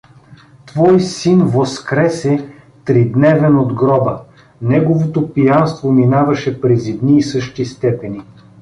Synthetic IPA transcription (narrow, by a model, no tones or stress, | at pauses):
t̪vɔjsinvoskɾɛsɛ | t̪ɾid̪nɛvɛnod̪ɡɾɔbə | nɛɡovot̪opijanst̪vominavɐʃɛpɾɛzid̪niːsɤʃt̪ist̪ɛpɛni